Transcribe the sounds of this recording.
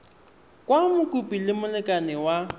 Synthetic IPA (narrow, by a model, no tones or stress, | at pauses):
kʼwamʊkʼupʼilɪmʊlɪkʼanɪwa